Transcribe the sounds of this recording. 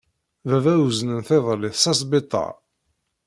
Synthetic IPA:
vævæwznənθeðˤəlːɪθsɑsbɪt̪ˤːɑ̰

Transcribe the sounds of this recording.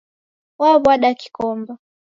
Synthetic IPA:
waβwaɗaki̥kɔmba

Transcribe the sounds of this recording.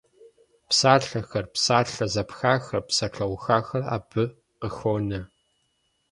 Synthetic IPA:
psaːɬɐxɐrpsaːrɬɐzɐpxaːxɐrpsɐʈ͡ʂʰɐwxaːxɐra̰ːb̥ɨ | qəxoːnɐ

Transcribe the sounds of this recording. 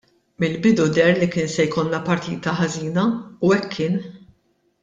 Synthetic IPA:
mɪlbɪd̪ud̪ɛɾlikɪːnsɛjkɔlːɐpɐɾt̪ḭːt̪ɐħɐziːnɐuɛkʰːɪːn

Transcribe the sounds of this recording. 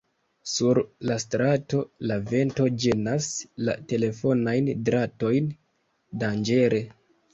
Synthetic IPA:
suɾlastɾato̞lave̞nto̞d͡ʒenasla̰te̞le̞fo̞najndɾato̞jn | dand͡ʒe̞ɾe̞

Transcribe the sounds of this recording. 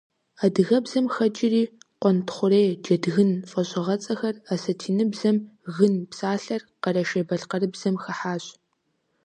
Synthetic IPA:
adɨɣɐbzɐmxɐt͡ʃʼɪriːqʷɔntʰχʷʊɾejd͡ʒɐdɣɨnfʼɐɕʼɐʁɐt͡sʼɐxɐrasɐtʰiːnɨbzɐmɣɨnpsaːɬɐrqɐɾɐʃebɐɬqɐrɨbz̥ɐmxɐħaːɕʼ

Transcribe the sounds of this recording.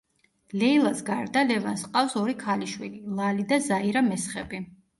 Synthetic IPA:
lɛilˠasɡaɾd̪alɛvansqʼafsɔɾikʰaliʃwililˠalid̪azaiɾamɛsχɛbi

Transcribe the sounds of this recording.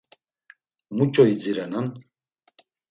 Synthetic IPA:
mut͡ʃʼɔid͡ziɾanan

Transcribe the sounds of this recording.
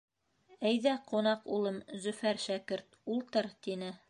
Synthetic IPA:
æjðæqunɑqulˠɤmzɵ̆fæɾʃækɘɾt̪̚ulˠt̪ɤɾt̪inɘ

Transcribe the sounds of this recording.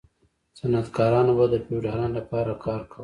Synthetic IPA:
sanat̪kɑːɾɑnobad̪əpewɖaɾɑːnlapɑːɾakɑːɾkʰaw

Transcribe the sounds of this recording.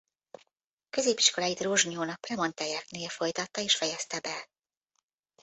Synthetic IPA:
kø̞zeːpiʃko̞laːjit̪roʒɲoːnɒk̚ːrɛmo̞nt̪ɛjɛkneːlfo̞jt̪ɒt̪ːɒeːʃfɛjɛst̪ɛbɛ

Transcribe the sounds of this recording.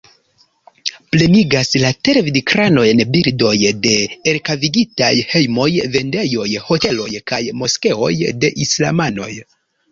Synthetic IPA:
ple̞niɡaslate̞ɾvidikɾano̞e̞nbiɾdo̞jde̞ːɾkaviɡita̰jhe̞jmo̞jve̞nde̞jo̞jho̞te̞lo̞̰jkajmo̞ske̞o̞̰jde̞ʔisla̰mano̞̰j

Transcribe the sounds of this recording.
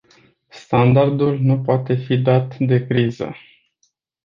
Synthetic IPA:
st̪and̪ard̪ulnupoat̪e̞fid̪at̪d̪e̞kɾizə̰

